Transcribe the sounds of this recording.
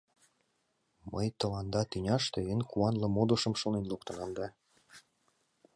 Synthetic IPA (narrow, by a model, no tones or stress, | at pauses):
mə̰jt̪ɤ̆lɑnd̪ɑt̪ynʲɑʃt̪eenkuɑnlɤ̆mod̪ŏʃɤ̆mʃonenluk̚t̪ɤ̆nɑmd̪ɑ